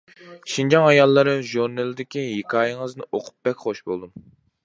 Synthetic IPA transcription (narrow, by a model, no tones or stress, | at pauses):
ʃind͡ʒɑŋɑjɑlˠːɨɾɨʒuɾnelˠɪd̪ɪkʲijekʰɑːjɨŋəznɨʔoqʰʊ̥p̚bɛkʲχoʃbo̰lˠd̪um